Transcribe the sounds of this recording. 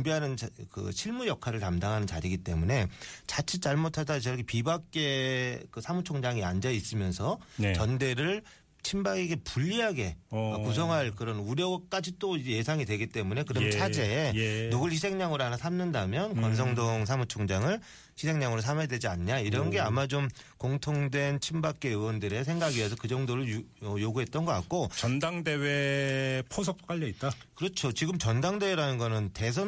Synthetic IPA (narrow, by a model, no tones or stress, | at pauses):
mbiɦanɯnkɯ̰ɕʰiɭmujʌkʰaɾɯɭtamdaŋɦanɯnt͡ɕaɾiɡit͈e̞̰mune̞t͡ɕat͡ɕʰit͡ɕ͈aɭmotʰadat͡ɕʌɡepibak̚k͈e̞kɯsʰamut͡ɕʰoŋd͡ʑaŋiand͡ʑais͈ɯmjʌnsʰʌnt͡ɕʌnde̞ɾɯɭ | t͡ɕʰimbaɡiɡe̞puʎːiɦaɡe̞akus̬ʰʌŋɦaɭkɯɾʌnuɾjʌɡ̚k͈ad͡ʑit͈oid͡ʑeje̞sʰaŋidwe̞ɡit͈e̞mune̞kɯɾʌmt͡ɕʰad͡ʑe̞noɡɯɭɕʰisʰe̞ŋɲaŋɯɾoanasʰamnɯndamjʌnkwʌns̬ʰʌŋdoŋsʰamut͡ɕʰoŋd͡ʑaŋɯɭ | çʰisʰe̞ŋɲaŋɯɾosʰame̞dwe̞d͡ʑiaɲɲaiɾʌnɡeamad͡ʑom | koŋtʰoŋdwe̞nt͡ɕʰimbak͈e̞ɯwʌndɯɾe̞s̬ʰe̞ŋɡaɡiesʰʌkɯd͡ʑʌŋdoɾɯɭʌjoɡuɦe̞t̚t͈ʌnɡʌk͈a̰k̚k͈ot͡ɕʌndaŋde̞wepʰos̬ʰʌp̚k͈aʎːʌit̚t͈a | kɯɾʌt͡ɕʰot͡ɕiɡɯmt͡ɕʌndaŋde̞weɾanɯnɡʌnɯnte̞s̬ʰʌ